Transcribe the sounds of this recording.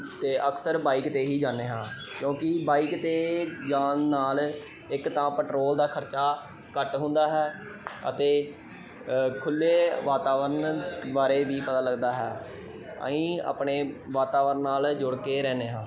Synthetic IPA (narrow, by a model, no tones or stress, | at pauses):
t̪eːʔəksəɾbaːiːkt̪eːɦiːd͡ʒaːneːɦãːkjõːkɪbaːiːkt̪eːd͡ʒaːnːaːl | ɪkt̪ãːpəʈɾoːld̪aːkʰəɾt͡ʃaː | kəʈɦʊ̃nd̪aːɦɛː | ə̰t̪eː | kʰʊlːeːʋaːt̪aːʋəɾnd̪ʋaːɾeːbiːpət̪aːləɡd̪aːɦɛː | ə̰ĩːa̰ːpɳeːʋaːt̪aːʋəɾənːaːld͡ʒʊɽkeːɾɛːneːɦãː